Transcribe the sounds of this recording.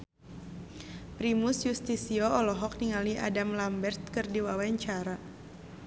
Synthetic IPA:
pɾimusjust̪isiɔɔlɔɦɔk̚niŋaliʔa̰damlambɛrt̪̚kɨrdiwawaɲt͡ʃaɾa

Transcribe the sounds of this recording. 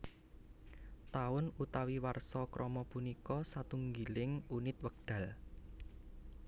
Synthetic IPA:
t̪aʊnut̪awiwarsɔkɾʔɔmɔpunikɔsat̪uŋɡilɪŋunɪt̪̚wəɡ̚d̪̥ä̤l

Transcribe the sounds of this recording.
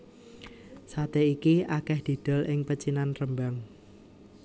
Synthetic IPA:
sat̪eikiʔakɛhd̪̥i̤d̪̥ɔ̤lʔɪŋpət͡ʃinanrəmbaŋ

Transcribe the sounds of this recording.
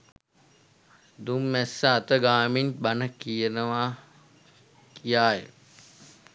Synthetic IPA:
d̪umːɛsːaːt̪əɡaːminbanəkijənəʋaː | kijaːjə̰

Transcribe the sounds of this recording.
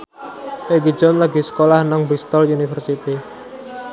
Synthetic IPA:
ʔeɡi̥d͡ʒɔnlaɡisə̥kolahnaŋbɾist̪ɔlunifərsit̪i

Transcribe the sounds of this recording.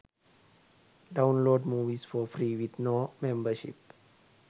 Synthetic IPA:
ɖãʊ̃nloːɖmuːʋisfɔfɾiʋit̪nomɛ̃mbəʃḭp

